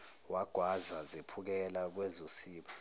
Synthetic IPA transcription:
waɡ̥ʱwazazepʰuk̬ɛlak̬wɛzosiːɓa

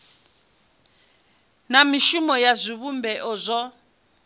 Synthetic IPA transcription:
namiʃumɔjazʷiβumbʱɛʔɔzʷɔ

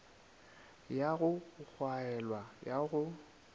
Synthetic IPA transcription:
jaɣʊk͡xʰwaɛlwajaɣʊ

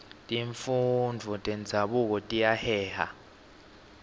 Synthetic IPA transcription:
tʼiɱfund͡vʱɔtʼɛnd͡zʱaɓuk̬ɔtʼijahɛːha̰

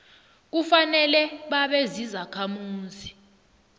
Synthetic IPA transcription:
k̬ufanɛlɛɓaɓezizakʰamuːzi

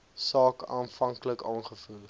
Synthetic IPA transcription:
sɑːkɑːnfɐŋkləkɑːnχəful

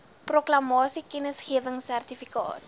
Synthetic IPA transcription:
proklɐmɑːsikɛnəsχiəvəŋsærtifikɑ̰ːt̚

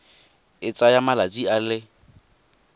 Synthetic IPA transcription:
ɪt͡sʼajamalat͡sʼialɪ

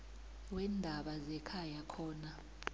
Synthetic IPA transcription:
wɛndʱaɓazɛkʰajakʰɔːna

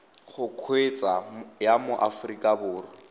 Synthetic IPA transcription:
χʊkʰwet͡sʼajamʊʔafʊrikʼabʊːrɔ

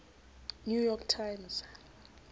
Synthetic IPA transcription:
njujɔktʰajmz̥

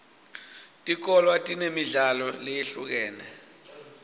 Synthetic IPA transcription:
tʼik̬ɔlwatʼinemiɮalɔlejeɬuk̬ɛːnɛ

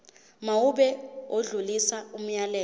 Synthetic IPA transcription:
mauɓɛoɮulisaum̩jalɛː

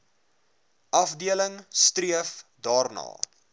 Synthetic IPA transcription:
ʔɐfdiələŋstriəfdɑːrnɑ̰ː

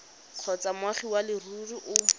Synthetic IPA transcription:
q͡χʰɔt͡samwaχiwalɪruriʔʊ

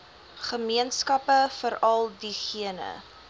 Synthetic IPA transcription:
χəmiənskɐpəfəɾɐlˠdiχiənə̰

